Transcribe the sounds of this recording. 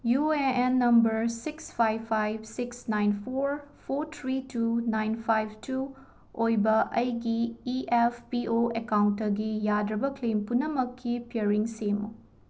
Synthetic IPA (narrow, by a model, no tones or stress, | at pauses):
jueenːɐmbɐɾsikspʰajbpʰːajbsiksnajnpʰoɾpʰoɾt̪ʰɾitunajnpʰajb̚tu | ojbɐʔɐjɡiiʔepʰpiʔoekawntːɐɡijadɾɐbɐkʰlempunɐmɐkʰːipiɐɾiŋsemo̰